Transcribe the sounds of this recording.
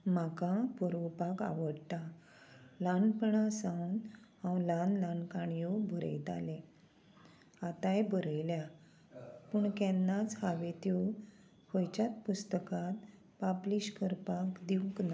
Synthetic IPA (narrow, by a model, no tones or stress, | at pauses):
makãpɔɾʋəpaka̰ʋəɽʈ̪a | lanpəɳasãwnhãwlanlãnkaɳjubʱəɾə̰jt̪a̰lẽ | at̪ajbʱəɾəjlja | pəɳkɛnːat͡shaʋet̪u | hojt͡ɕat̪̚pust̪əkat̪ | papliɕkəɾpakd̪iwkna